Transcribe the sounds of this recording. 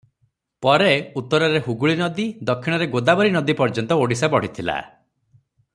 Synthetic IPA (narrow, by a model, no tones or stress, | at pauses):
pɔɾeut̪ːɔɾɔɾeɦuɡuɭinɔd̪id̪ɔkʰːiɽ̃ɔɾeɡod̪abɔɾinɔd̪ipɔɾd͡ʒɔnt̪ɔoɽisabɔɽ̤it̪ʰila̰